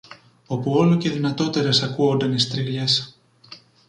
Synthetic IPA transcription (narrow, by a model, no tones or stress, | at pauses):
o̞puo̞loce̞ðinɐt̪o̞t̪e̞ɾe̞sɐkuond̪ɐnist̪ɾiɣʎes